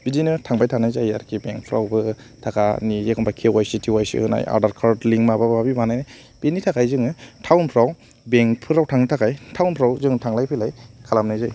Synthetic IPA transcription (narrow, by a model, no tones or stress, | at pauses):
bidinɯtʰaŋbajtʰanajzajaɾkʰibeŋpʰɯɾawbɯ | tʰakanizekʰɔnbakʰewajsitʰiwajsḭhɯna̰ja̰ɾdaɾkʰaɾdliŋmababbabibanajnaj | benitʰakajzɯŋɯtʰawnpʰɾaw | beŋpʰɯɾawtʰaŋnɯtʰakajtʰawnpʰɾawzɯŋtʰaŋlajpʰɯjlajkʰalamnajzaj